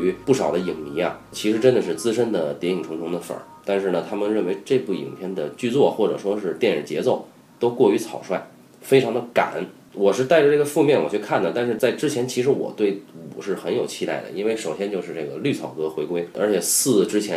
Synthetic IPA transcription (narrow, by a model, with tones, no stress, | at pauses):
y˧˥pu˥˩ʂɑ˨˩ʊd̪ə˦i˨˩ŋmi˧˥ja˧t͡ɕʰi˧˥ʂɻ̩˧˥ʈ͡ʂə˥nd̪ə˨ʂɻ̩˥˩t͡sɹ̩˥ʂə˥nd̪ə˨t̪jɛ˧˥i˨˩ŋʈ͡ʂʰʊ˧˥ŋt̪ʰʊ˧˥ŋd̪ə˧fə̰˞˨˩˦t̪a˥˧nʂɻ̩˥˩nə˩t̪ʰa˥mə˨nɻə˥˩nwe˧˥ɪʈ͡ʂɤ˥˧pu˥˩ḭ˨˩ŋpʰjɛ˥˩nd̪ə˨t͡ɕy˥˧t͡swɔ˥˩xwɔ˥˩ʈ͡ʂɤ̰˨˩ʂwɔ˥ʂɻ̩˥˧t̪jɛ˥˩nɻ̩˨˩t͡ɕjɛ˧˥t͡so˥˩ʊ | t̪o˥ʊkwɔ˥˩y˧˥t͡sʰɑ˨˩ʊʂwa˥˩ɪ | fe˥ɪʈ͡ʂʰɑ˧˥ŋd̪ə˧ka̰˨˩˦n | wɔ˨˩ʂɻ̩˥˧t̪a˥˩ɪʈ͡ʂə˩ʈ͡ʂɤ˥˩ɡə˩fu˥˧mjɛ˥˩nwɔ˨˩t͡ɕʰy˥˧kʰa˥˩nd̪ə˩t̪a˥˧nʂɻ̩˥˧t͡sa˥˩ɪʈ͡ʂɻ̩˥t͡ɕʰjɛ˧˥nt͡ɕʰi˧˥ʂ̬ɻ̩˧˥wɔ̰˨˩t̪we˥˩ɪɔ˨˩ʂɻ̩˥˩xə˧˥njo˨˩ʊt͡ɕʰi˥t̪a̰˥˩ɪd̪ə̰˩i˥nwe˥˩ɪʂo˨˩ʊɕjɛ˥nt͡ɕjo˥˧ʊʂɻ̩˥˧ʈ͡ʂe˥˩ɡə˩ly˥˩t͡sʰɑ˨˩ʊkɤ˥xwe˧˥ɪkwe˥ɪə̰˞˧˥t͡ɕʰjɛ˨˩sɹ̩˥˩ʈ͡ʂɻ̩˥t͡ɕʰjɛ˧˥n